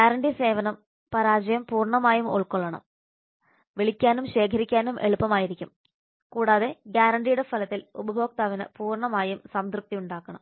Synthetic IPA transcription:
ɡaːɾɐɳɖise̞ːʋɐnɐm | pɐɾaːd͡ʑɐjɐmpuːrɳɐmaːjumuɭkoɭːɐɳɐ̰m | ʋiɭikʲːaːnumɕe̞ːkʰɐɾikʲːaːnumʔeɭupːɐmaːjiɾikʲːum | kuːɽaːðe̞ɡjaːɾɐɳɖijuɽe̞fɐlɐt̪ːilubɐbʱo̞ːk̚t̪aːʋinɨ̰puːrɳɐmaːjumsɐmt̪ruk̚t̪ːiuɳɖaːkːɐɳɐm

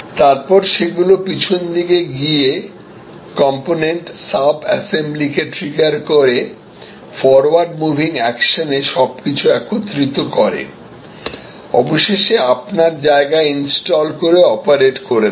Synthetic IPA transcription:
t̪aɾpɔɾʃeɡulopit͡ɕʰond̪iɡeɡie | kɔmponeɳʈsabɛ̰semblikeʈɾiɡaɾkoɾe | fɔɾwaɾɖmubʱiŋɛkʃoneʃɔb̚kit͡ɕʰuɛkot̪ːɾit̪okɔɾḛ | ɔboʃeʃeapnaɾd͡ʑaeɡainsʈɔlkoɾeɔpaɾeʈkoɾe

